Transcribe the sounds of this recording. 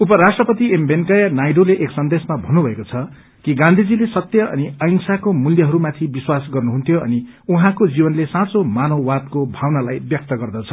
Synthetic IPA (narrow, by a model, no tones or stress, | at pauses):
upʌɾasʈrʌpʌt̪iembenkʌjʌnajɖoleʔeksʌnd̪esmabʱʌnːubʱʌekot͡sʰʌ | kiɡãnd̪ʱid͡zilesʌt̪jʌʌ̰niʌjŋsakomuljʌɦʌɾumat̪ʰibiswasɡʌrnuɦunt̪ʰjoʌ̰ni | uɦãkod͡zibʌnlesãt͡somanʌwad̪̚kobʱawnalajbjʌk̚t̪ʌɡʌrd̪ʌt͡sʰʌ̥